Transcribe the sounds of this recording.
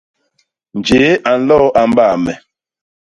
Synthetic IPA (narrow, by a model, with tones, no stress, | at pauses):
n˨d͡ʒe˨˦ʔa˨n̩˦lɔ˦ʔa˨m˦baː˦˨mɛ˨